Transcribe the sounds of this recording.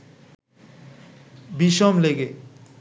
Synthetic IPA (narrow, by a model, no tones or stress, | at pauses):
bisɔmleɡe